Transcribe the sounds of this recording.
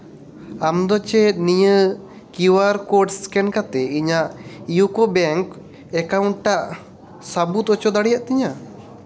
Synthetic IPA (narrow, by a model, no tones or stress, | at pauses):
amd̪ɔt͡ʃɛt̪̚nijə | kiwaɾkɔʈskɛnkat̪ɛiɲaʔijukɔbɛŋk | ɛkawɳʈʈaʔ | sabut̪ɔt͡ʃɔd̪aɽijaʔt̪iɲa